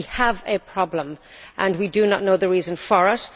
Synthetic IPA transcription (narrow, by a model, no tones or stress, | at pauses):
əvəpʰɹ̥ɑblə̃mʔə̃nwidənətⁿnoʊðəɹiːzə̃nfəɹəs